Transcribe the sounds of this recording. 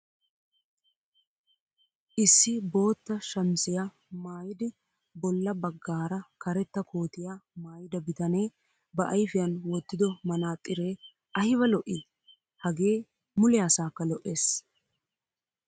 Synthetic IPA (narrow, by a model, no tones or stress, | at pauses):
ʔɪsːɪbo̞ːt̪ːɐʃɐmsɪja | maːjɪd̪ɪ | bɔlːɐbɐɡːaːɾɐkɐɾɛt̪ːɐkʰo̞ːt̪ɪjamaːjɪd̪ɐbɪt̪ɐneː | bɐʔɐjfɪjɐnwɔt̪ːɪd̪ɔmɐnaːt̪ʼːɪɾeː | ʔɐhɪβɐlɔʔɪ | hɐɡe̞ː | mʊlɛjasaːkːɐlɔʔːe̞ːs